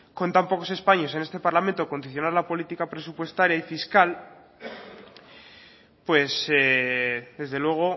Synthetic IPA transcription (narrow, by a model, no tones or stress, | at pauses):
ko̞nt̪ampo̞ko̞se̞spaɲo̞se̞ne̞st̪e̞paɾlament̪oko̞nd̪iθjo̞naɾlapo̞lit̪ikapɾe̞supwe̞st̪aɾjaifiskal | pwe̞seðe̞zðe̞lwe̞ɣ̞o̞